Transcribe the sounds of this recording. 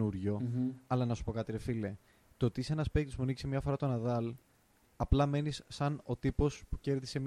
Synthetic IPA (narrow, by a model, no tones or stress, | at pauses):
uɾʝo̞ɐlɐnɐsu̥po̞kɐt̪iɾe̞file̞ | t̪ot̪isenɐspek̚t̪ispunici̥semɲɐfo̞ɾɐt̪o̞nɐðɐl | ɐplɐme̞nisːɐno̞t̪ipo̞spu̥ce̞ɾðise̞m